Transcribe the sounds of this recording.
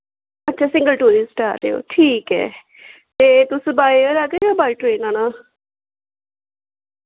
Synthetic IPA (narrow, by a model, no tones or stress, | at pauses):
ətːʃʰaːsɪ̃ŋɡəlʈuːɾisʈaːɾʈːeːo̰ːʈʰiːkɛ̰ː | t̪eːt̪ʊsbaːiɾaɡeeobaːiʈɾeːnaːnaː